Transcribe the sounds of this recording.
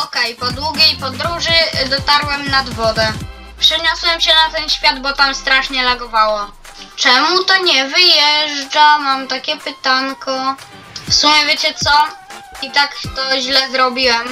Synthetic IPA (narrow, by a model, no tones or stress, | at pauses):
ɔkɛjpɔd̪wuɡʲejpɔd̪ɾuʐɘd̪ɔt̪aɾwɛmnad̪vɔd̪ɛ | pʂɛɲɔswɛmɕɛnat̪ɛnɕfʲjad̪bɔt̪amst̪ɾaʂɲɛlaɡɔvawɔ | t͡ʂɛmut̪ɔɲɛvɘjɛʐd͡ʐamamt̪akʲɛpɘt̪aŋkɔ | fsumʲjɛvʲjet͡ɕɛt̪sɔit̪akt̪ɔʑlɛzɾɔbʲiwɛm